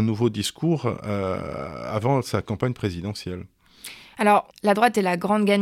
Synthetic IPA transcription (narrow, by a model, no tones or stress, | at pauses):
ɛ̃nuvod̪iskʰuʁø̰ | a̰vɑ̃sakɑ̃paɲpχezid̪ɑ̃sjɛl | alɔʁlad̪ʁwat̪ɛlaɡʁɑ̃d̪ɡʲaɲ